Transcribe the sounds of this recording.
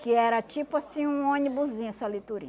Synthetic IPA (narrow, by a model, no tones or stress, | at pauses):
kɪɛɾɐt͡ʃipʊasĩũõnibuzĩɲsɐlit̪uɾḭ